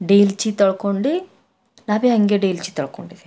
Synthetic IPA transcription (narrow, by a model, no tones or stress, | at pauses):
ɖeːjlt͡ʃit̪ɐɭkoɳɖi | naːʋeɦɐŋɡeɖeːjlt͡ʃit̪ɐɭkoɳɖid̪ei